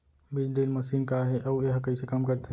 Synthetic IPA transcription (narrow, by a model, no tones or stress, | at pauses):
bid͡ʒɖelməsiːnkaɦɛʔaueɦkɐisekamkəɾt̪e